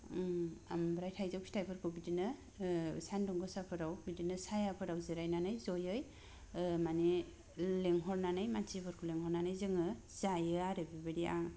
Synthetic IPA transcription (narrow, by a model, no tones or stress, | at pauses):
a̰mbɾajtʰajzawstajpʰɯɾkʰɯwbidinɯ | sandɔŋɡɯsapʰɯɾawbidinɯsajapʰɯɾawzeɾajnanɯjzɔjɯj | mani | leŋɦɔɾnanɯjmant͡ʃibʰɯɾkʰɯleŋhɔɾnanɯjzɯŋɯ | z̥ajɯaɾebibɯɾia̰ŋ